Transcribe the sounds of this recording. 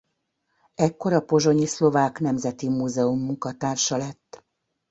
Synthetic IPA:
ɛkːo̞ɾɒpo̞ʒo̞ɲislo̞vaːknɛmzɛt̪imuːzɛumːuŋkɒt̪aːrʃɒlɛt̪ː

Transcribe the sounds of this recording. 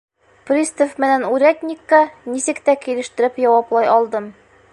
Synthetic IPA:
prʲist̪ofmɘ̆nænʉɾʲæt̪ʲnʲikːɑnisɘkt̪ækilɘ̆ʃt̪ɘ̆ɾɘpjɒwɑplˠɑjɒlˠd̪ɤm

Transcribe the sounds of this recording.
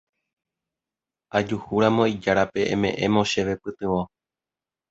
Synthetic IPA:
ad͡ʒuhuɾamõ̞id͡ʒaɾape̞ʔḛ̃mẽ̞ʔẽ̞mõ̞ʃe̞ʋe̞pɨt̪ɨ̃ʋõ

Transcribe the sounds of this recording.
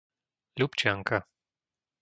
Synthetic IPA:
lʲupt͡ʃaŋka

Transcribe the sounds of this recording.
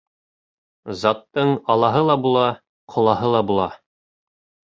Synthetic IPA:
zɑt̪ːɤɴɑlˠɑɦɤlˠɑbulˠɑ | qʰŏlˠɑhɤlˠɑbulˠɑ

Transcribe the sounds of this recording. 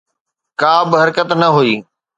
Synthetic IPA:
kaːbɪɦɐɾkət̪nɐɦuiː

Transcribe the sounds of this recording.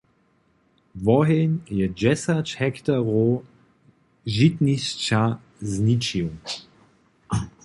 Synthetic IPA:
vɔɦenjɛd͡ʒɛsat͡ʃhɛkt̪aʁo | ʒit̪nist͡ʃa | znit͡ʃiw

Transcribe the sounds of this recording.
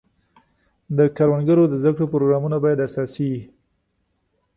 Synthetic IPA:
d̪əkaɾwanɡəɾod̪əzd̪akɽopɾoɡɾɑmunabɑjad̪asɑsii

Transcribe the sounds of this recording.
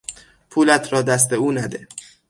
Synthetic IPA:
pʰuːlæt̪ʰɾɒːd̪æs̬t̪e̞uːnæd̪e

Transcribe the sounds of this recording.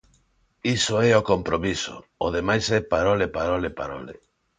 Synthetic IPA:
isoɛokompɾomiso̰oðemajsɛpaɾolepaɾolepa̰ɾo̰lḛ

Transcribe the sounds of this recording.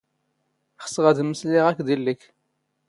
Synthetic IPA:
χə̥sʁæðməsliʁækːd̪ilːək

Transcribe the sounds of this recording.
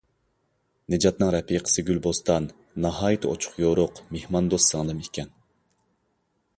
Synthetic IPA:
nɪd͡ʒɑt̪̚nɨŋɾɛpʰːiqʰə̥sɨɡʲylbost̪ɑnː | ɑɦɑːjit̪ʰɨo̰t͡ʃʰʊ̥χjoɾʊqmehmɑnd̪osːɨŋlˠɨmekʲɛn

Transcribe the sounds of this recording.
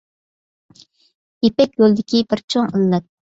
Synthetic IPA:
jepɛkʲjolˠd̪ɪkʲʰibɪɾt͡ʃʰoŋəlːɛt̪̚

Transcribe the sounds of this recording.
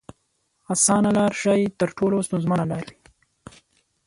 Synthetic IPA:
asɑːnalɑːɾʃɑːjt̪əɾʈʰolost̪ʊnzmanalɑɾwi

